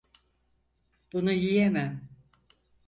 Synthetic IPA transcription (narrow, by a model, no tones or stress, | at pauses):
b̥unujijemæm